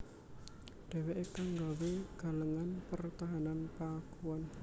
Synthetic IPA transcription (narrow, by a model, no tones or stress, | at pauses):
ɖ̥ɛ̤weʔekaŋɡaweɡ̥a̤ləŋanpərt̪aɦananpakuwɔn